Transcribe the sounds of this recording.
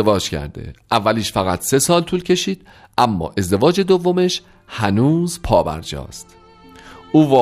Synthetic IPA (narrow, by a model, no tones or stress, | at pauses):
evɒːd͡ʒcʰæ̰ɾd̪ḛʔævːæliːʃfæɣæt̪ʰse̞sɒːlt̪ʰuːlcʰe̞ʃiːd̪̥ | ʔæmːɒ̰ːʔe̞zd̪e̞vɒːd͡ʒe̞d̪ovːome̞ʃ | hænuːzpʰɒːbæ̰ɾd͡ʒɒ̰ːst̪ | ʔuːvɒː